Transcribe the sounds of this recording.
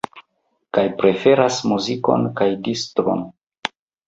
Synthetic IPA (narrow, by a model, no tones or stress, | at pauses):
kajpɾe̞fe̞ɾasmuziko̞̰nkajdistɾo̰n